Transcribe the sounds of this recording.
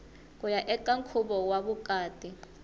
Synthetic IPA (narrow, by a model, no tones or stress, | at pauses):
kʼujaʔɛkʼaŋkʰuɓɔwaɓukʼaːtʼi